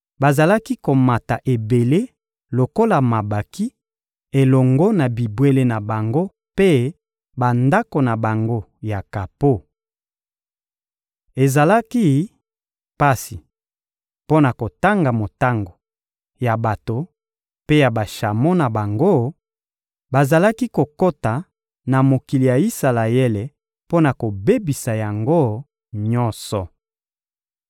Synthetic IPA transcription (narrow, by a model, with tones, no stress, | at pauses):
ba˨za˨la˦ki˦ko˨ma˨ta˨ʔe˨be˨le˦ | lo˨ko˦la˨ma˨ba˨ki˦ | e˨lɔ˨ŋɡɔ˦na˨bi˨bwe˦le˦na˨ba˨ŋɡo˦ | pe˦ | ba˨nda˦ko˨na˨ba˨ŋɡo˦ | ja˨ka˨po˦ | e˨za˨la˦ki˦ | pa˦si˨ | po˦na˨ko˨ta˦ŋɡa˨mo˨ta˦ŋɡo˨ | ja˨ba˨to˨ | pe˦ja˨ba˨ʃa˨mo˦na˨ba˨ŋɡo˦ | ba˨za˨la˦ki˦ko˨ko˦ta˨ | na˨mo˨ki˨li˨ja˨i˦sa˨la˨je˦le˨ | po˦na˨ko˨be˦bi˨sa˨ja˨ŋɡo˦ | ɲɔ˦nsɔ˨